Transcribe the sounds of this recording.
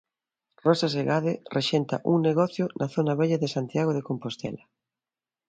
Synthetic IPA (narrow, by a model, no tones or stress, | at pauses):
rɔsas̬eɣaðerʔeʃent̪a̰ʔuŋneɣɔθjonʔaθonaβɛʎaðesant̪jaɣ̞oðekompost̪ɛ̰la